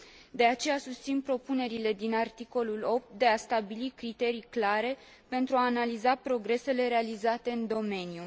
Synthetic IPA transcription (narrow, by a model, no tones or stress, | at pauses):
d̪e̞at͡ʃe̞jasust̪sinpɾo̞pune̞ɾile̞d̪inart̪iko̞lulo̞p̚t̪̚d̪e̞ast̪abilikɾit̪e̞ɾijklaɾe̞ | pe̞nt̪ɾuaːnalizapɾo̞ɡɾe̞se̞le̞ɾe̞alizat̪e̞ɨnd̪o̞me̞nju